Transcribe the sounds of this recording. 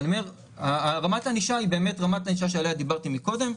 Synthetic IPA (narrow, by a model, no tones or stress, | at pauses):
nomeʁ | aʁamataniʃaibe̞ːme̞tʁamataniʃaʃealejad̪ibaʁtimiko̞de̞m